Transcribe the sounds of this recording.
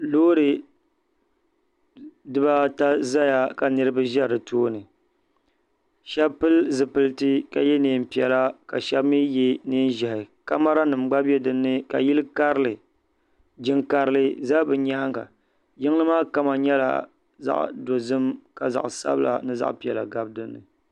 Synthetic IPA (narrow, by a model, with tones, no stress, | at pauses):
loː˦ɾɨ˨ | dɨ˦ba˦ta˦za˦ja˨ka˨nɨ˦ɾɨ˦bɨ˦ʒa˦˨ɾɨ˨tʰoː˦nɨ˨ | ʃɛ˦bpɨ˦lzɨ˨pɨ˨ltɨ˦ka˨jɛ˦neː˨m̩˨pi˨ɛ˨la˦ka̰˨ʃɛ˦bmi˦jɛ˦neː˦n˦ʒɛ˨hɪ˨ka˦ma˦ɾa˦nɨ˨mɡ͡ba˦bɛ˦dɨ˦nːɨ˦ka̰˨ji˦lɨ˦ka˦ɾlɨ˨ | d͡ʒɪ˦ŋka˨ɾɨ˦lɨ˦za˦bɨ˨ɲa˦ha˦ŋɡa̰˨ | jɪ˦ŋ˦lɨ˦maː˦ka˦ma˨ɲɛ˦la̰˨ | za̰˦ʔdo˨zɨ˦mka˨za̰˨ʔsa̰˦bɨ˦lʔa̰˨nɨ˦za̰˦ʔpi˨ɛ˨la̰˨ɡa˦bdɨ˦nːɨ̰˨